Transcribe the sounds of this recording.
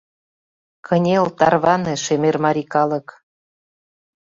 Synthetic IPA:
kʰɤnʲelt̪ɑrβɑnĕʃemermɑɾikɑlɤ̆k

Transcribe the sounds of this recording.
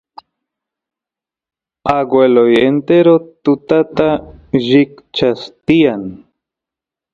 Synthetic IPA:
aɡwʷelojent̪eɾot̪ʊt̪at̪aʒikt͡ʃast̪ian

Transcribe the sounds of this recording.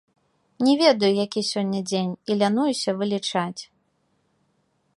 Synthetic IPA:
nʲɛvʲed̪ɐjujakʲisʲɔnʲːɐd͡zʲenʲilʲanujusʲɐvɨlʲit͡ʂat͡sʲ

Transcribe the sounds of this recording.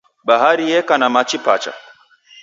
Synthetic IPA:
baɦaɾijɛkanamat͡ʃipat͡ʃa̰

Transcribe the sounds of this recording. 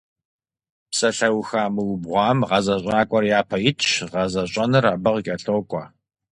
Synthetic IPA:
psɐɬɐwxaːmɨwbʁʷɑːmʁɐzɐɕʷʼaːkʷʼɔrjaːpʰɐjɪtʰt͡ʃʁɐzɐɕʷʼɐnɨraːbɐʁkʲʼɐɬoːkʷʼɑ

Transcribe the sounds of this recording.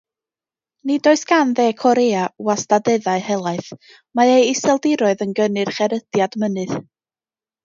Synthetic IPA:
nidoːɨsɡ̥anðeːkʰɔɾeawastadɛðaɨhɛlˠaɨθ | maejɪsɛlˠdɪɾɔɨðənɡənɨrχɛɾəd̥jadmənɨð̥

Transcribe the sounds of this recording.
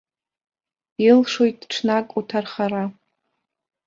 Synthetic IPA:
ilʂojtʼʈ͡ʂʰnakʼutʰarχaɾa

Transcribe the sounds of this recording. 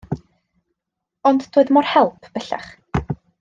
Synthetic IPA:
ɔndtʰoːɨðmɔrhɛlˠpʰb̥əɬa̰χ

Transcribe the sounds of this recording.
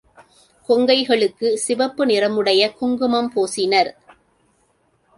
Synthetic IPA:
kɔŋɡɐɪɣɐɭɯkːɯsɪʋɐpːɯnɪrɐmɯɽɐjɐkʊŋɡɯmɐmpoːsɪnɐɾ

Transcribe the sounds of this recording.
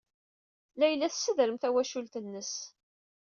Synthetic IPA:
læjəlːæθsːəðɾəmθæwæʃult̪ənːəs

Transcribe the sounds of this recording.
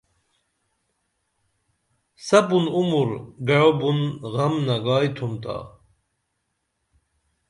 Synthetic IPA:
sɐbunumuɾɡɐɻobunʁɐmnɐɡaːjt̪ʰumt̪a̰

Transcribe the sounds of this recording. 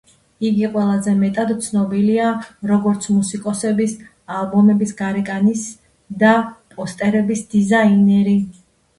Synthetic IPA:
iɡiqʼwɛlˠazɛmɛt̪ʼad̪t̪sʰnɔbiliaɾɔɡɔɾt̪sʰmusikʼɔsɛbis | alˠbɔmɛbisɡaɾɛkʼanis | d̪apʼɔst̪ʼɛɾɛbisd̪izainɛɾi

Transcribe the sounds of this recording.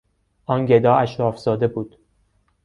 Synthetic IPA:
ʔɒːnɟed̪ɒːæʃɾɒːfzɒːd̪e̞buːd̪̥

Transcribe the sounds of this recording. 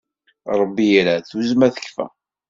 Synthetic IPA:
ɾˤəbːijɾæθuzmæθə̥kːfæ̰

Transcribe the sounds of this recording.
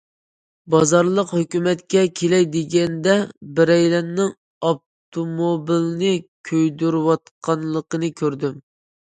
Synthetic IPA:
bɑzɑɾlˠəqhøkʲymɛt̪kʲɛkʲʰelɛjd̪ɪɡʲɛnd̪ɛbɪɾɛjlɛnːɪŋ | ɑb̚ | t̪ʰomobilnɨkʲʰøjd̪yɾwɑt̪qʰɑnlˠəqənɨkʲʰøɾd̪ym

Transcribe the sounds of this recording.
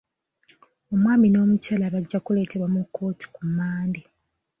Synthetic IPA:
o̞mwaːmino̞ːmucalaβaɟːakule̞ːte̞βwamukʰːo̞ːti̥kumːaːndi

